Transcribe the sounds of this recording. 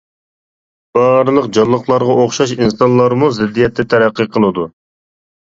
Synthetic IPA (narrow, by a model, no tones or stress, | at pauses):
b̥ɑɾɨlˠəqd͡ʒɑllˠːəχlˠɑɾʁɑoχʃɑʃinsɑnlˠɑɾmuzɪd̪ːijɛt̪ʰːɛt̪ʰɛɾæqːəqʰəlˠɨd̪u